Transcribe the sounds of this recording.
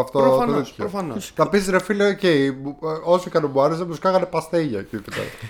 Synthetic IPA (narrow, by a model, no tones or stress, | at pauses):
ɐft̪oiçɾofɐnnɐpisɾefileoceimuosiikɐnemuɐɾes̬emuskɐɣɐnepɐst̪eʝɐcit̪ipɐ̰